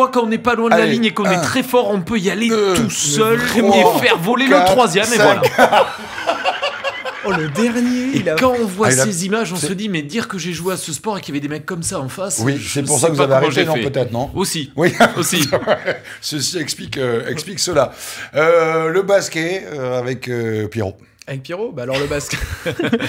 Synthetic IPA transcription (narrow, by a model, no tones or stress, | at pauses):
wakɑ̃ɔ̃nɛpalwɛ̃d̪laliɲekɔ̃nɛt̪χɛfɔʁɔ̃pøialet̪usœlẽffɛʁvɔlelət̪χwazjɛmevwala | ləd̪ɛʁnjekɑ̃ɔ̃vwasezimaʒɔ̃səd̪imɛd̪iʁkəʒeʒweasəspɔʁekjavɛd̪emɛkːɔmsaɑ̃faswisɛpuʁsakvupaaveaʁeɑʒenɔ̃pøt̪ɛt̪χnɔ̃osiwiosiɛ | səsiɛksplikøɛ̰kspliksəlaøləbaskʲɛøavɛkøpjeʁo | avɛk̚pjeʁobalɔʁləbask